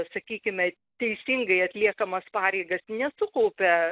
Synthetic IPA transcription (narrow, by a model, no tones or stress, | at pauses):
sɐkʲiːkʲɪmʲɐ | t̪ʲɛɪsʲiŋɡɐɪɐt̪ʲlʲiɛkɐmɐspɑːɾʲɛɪɡɐsnʲɛsʊkɐʊpʲɛ